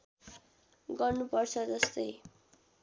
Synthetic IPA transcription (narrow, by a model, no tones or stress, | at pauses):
ɡʌrnupʌrt͡sʰʌd͡zʌst̪ʌj